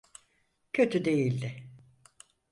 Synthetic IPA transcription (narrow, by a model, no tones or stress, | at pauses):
cʰø̞t̪ʰyd̪e̞jilʲd̪ɪ